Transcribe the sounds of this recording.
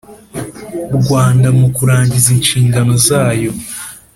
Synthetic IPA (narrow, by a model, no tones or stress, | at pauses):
ɾɡwaːndamukuɾaːɲɟizinʃiːŋɡano̞zaːjo̞